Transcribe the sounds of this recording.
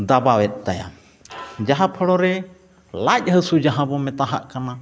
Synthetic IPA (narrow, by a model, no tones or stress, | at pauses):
d̪abawɛt̪̚ˀt̪aja̰ | d͡ʒaɦãpʰəɽɔɾɛ | lac̚ˀhəsud͡ʒaɦãbɔmɛt̪aɦaʔkana